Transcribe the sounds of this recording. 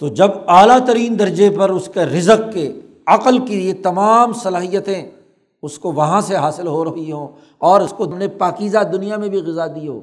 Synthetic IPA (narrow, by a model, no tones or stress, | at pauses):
t̪od͡ʒɐbaːlat̪ɐɾiːnd̪ɐɾd͡ʒepɐɾʊskeɾɪzəqke | ɐqəlkiliet̪ɐmaːmsɐlaːɦijət̪ẽ | ʊskoʋɐɦãseɦaːsɪlɦoɾɐɦiɦõː | ɔːɾʊskomnepaːkiːzad̪ʊnijamẽbʱiɣɪzad̪io̰ː